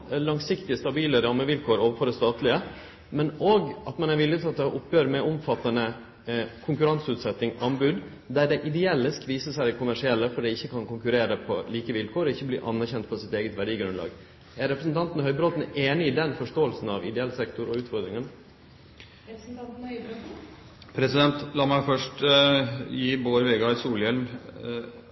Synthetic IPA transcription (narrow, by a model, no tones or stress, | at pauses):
lɑŋsɪkt̪ɪəst̪ɑbiːləɾɑmːəʋɪlkʰoːɾoːʋəɾfɔɾd̪ɛst̪ɑːt̪lɪə | mɛnoːɡɑt̪mɛnæɾʋɪlːɪt̪ʰɑt̪̚d̪ɛɑʔʊpʰːjøːɾmɛʊmfɑt̪ːɑnə | kʰʊŋkʉɾɑnsʉːt̪sɛt̪ːɪŋʔɑnbʉːd̪ | d̪æɖɛɪʔɪd̪ɛɛlːəskʰʋiːsəsæɪkʰʊmæʂɪɛlːəfɔɖ̪ɛɪɪçːəkʰɑnkʊŋkʉɾeːɾəpʰɔ̰liːkəʋɪlkʰoːɾɔɪçːəblḭːʔɑ̰nːæɾçɛnt̪fɔsɪt̪eːɡət̪ʋæɖiːɡɾʉnlɑ̰ːɡ | æɾɾɛpɾəsnt̪ʰɑnt̪nhœʏbɾɔt̪n̩eːnɪɪːd̪ɛnfɔʂtoːəlsn̩ɑʋɪ̰d̪ɛɛlsɛkt̪ʊɾɔʉːt̪fɔɾd̪ɾɪŋən | pʰɾɛsɪd̪ɛnt̪lɑːmæɪfœʂʈ | jiːboːɾʋeːɡɑɪsuːljɛlm